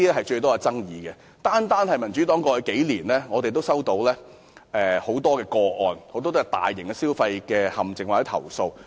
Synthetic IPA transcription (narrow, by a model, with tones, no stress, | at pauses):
i˥ɛ˥ɦɐ˨jt͡ʃɵ˧ɥt̪ɔː˥ka˧t͡sɐ˥ŋjiː˨˧kɛ˧ | t̪aː˥nt̪aː˥nhɐ˨jmɐ˨˩nt͡ʃy˨˥t̪ɔː˨˥ŋkɔ˧˥hɵ˨˥ke˨˥jliː˨˩nlɛː˥ŋɔː˨˧t̪e˨jt̪o˥wsɐ˥wt̪o˨˧˥wlɛː˥ | ʔɛ˨ho˨˥wt̪ɔː˥kɛː˧kɔː˧ʔɔː˨˧nho˨˥wt̪ɔː˥t̪ɔː˥kɛ˧t̪a̰ː˨jːɪ˨˩ŋkɛ˧siː˥wfɐ˧jkɛː˧hɐ˨˩mt͡sɪ˨ŋwaː˨˩t͡sɛ˨˥t̪ʰɐ̰˨˩wso˧w